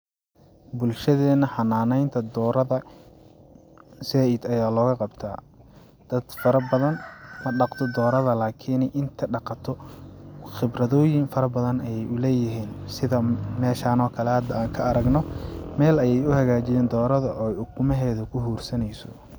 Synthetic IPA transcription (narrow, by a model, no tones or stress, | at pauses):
bʊlʃɐðɛːnɐħɑnːaːnɛjnt̪ʰɐd̪ɔːɾɐðɐ | sɛɪd̪ɐjaːlɔːɣɐqɑbt̪ʰa̰ː | d̪̥ɐd̪fɐɾɐbɐðɐnmɐɖɑqt̪ʰɔd̪ɔːɾɐðɐlaːkʰɪːnɛjʔɪnt̪ʰɐɖɑqɑt̪ʰɔ | xɪbrɐðɔːjɪŋfɐɾɐbɐðɐnɐjɛjʊlɛːjɪɦiːnsɪðɐmɛːʃaːnɔːkʰɐlɛhɐd̪ɐaːŋkʰɐːɾɐɡnɔmɛːlɐjɛjʊhɐɣaːt͡ʃɪjɛːnd̪ɔːɾɐðɐʔɔːjʊkʰʊmɛɦɛːðʊkʰʊɦuːrsɐnɛjsɔ̥̰